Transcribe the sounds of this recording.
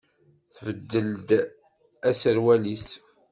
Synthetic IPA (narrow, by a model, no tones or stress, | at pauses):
θvəd̪ːəld̪ | æsəɾwælis